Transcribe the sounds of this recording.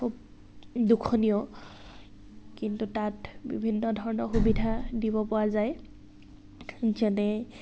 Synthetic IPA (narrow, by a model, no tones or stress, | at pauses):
kʰub̚ | dukʰːɔnijɔ | kintutatbḭbʱinːɔdʱɔɹɔnɔɹxubidʱadibɔpowazaj | zɛnɛ